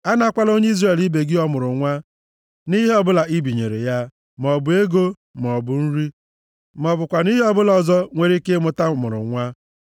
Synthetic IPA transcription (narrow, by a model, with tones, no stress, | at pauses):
a˦na˦a˦kʷa˦lo˦ɲe˦i˦zre˨li˦be˨ɡɪ˦ɔ˦mʊ˨ɾʊ˨ŋʷa˦ | ni˦ɦe˦ɔ˦bʊ˦la˨i˦bi˨ɲḛ˨ɾḛ˨ja˦ | m˨ɔ˨bʊ˨e˦ɡo˦ | m˨ɔ˨bʊ˨n̩˦ɾi˦ | m˨ɔ˨bʊ˨kʷa˨ni˦ɦe˦ɔ˦bʊ˦lɔ˨zɔ˦ŋʷe˨ɾi˦kɪ˦mʊ˨ta˦˨mʊ̰˨ɾʊ̰˨ŋʷa˦